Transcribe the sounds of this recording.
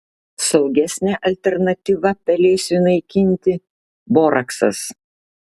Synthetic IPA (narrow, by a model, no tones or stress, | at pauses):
sɐʊɡʲɛsʲnʲæːʔɐlʲt̪ʲɛɾnɐt̪ʲiːʋɐpʲɛlʲeːsʲʊnɐɪkʲɪnʲt̪ʲɪ | boːɾʔɐksɐ̰s